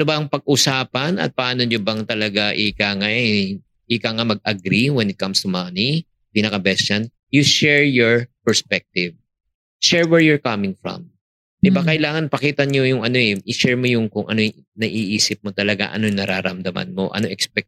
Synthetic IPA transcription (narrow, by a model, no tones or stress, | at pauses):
nobɐʔɐŋpɐɡ̚ʔusaːpɐnɐ̰t̪̚pɐʔaːnoɲobɐŋt̪ɐlɐɡaʔɪkaŋaʔɛ | ʔɪkaŋamɐɡ̚ɐɡɾiwɛnɪt̪̚kɐmst̪ʊmani | piːnɐkɐbɛst͡ʃɐn | jʊʃɛɹjoɹpɛɹspɛk̚t̪ɪv | ʃɛɹwɛɹjʊɹkɐmɪŋfɹɔ̰m | ʔɛbɐkɐʔɪlaːŋɐnpɐkiːt̪ɐɲojʊŋɐno̞ɛʔɪʃɛɹmo̞jʊŋkʊŋʔɐ̰no | nɐʔiːʔiːsɪp̚mo̞t̪ɐlɐɡa̰ʔɐ̰nojŋnɐɾaːɾɐmd̪ɐmɐ̰nmo̞̰ʔɐ̰noʔɛkspɛk̚